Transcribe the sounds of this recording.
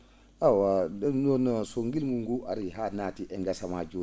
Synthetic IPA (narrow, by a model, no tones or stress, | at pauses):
awadnonɔsoŋɡilŋɡuŋɡuʔaɾiɦanaːtiʔɛŋɡasamad͡ʒo